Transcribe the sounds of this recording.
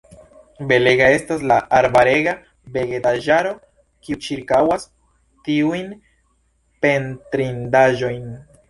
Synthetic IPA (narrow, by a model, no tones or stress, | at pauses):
be̞le̞ɡae̞staslaʔaɾbaɾe̞ɡa | be̞ɡetaʒaɾo̞ | kiut͡ʃiɾkawas | tiujn | pe̞ntɾindaʒo̞jn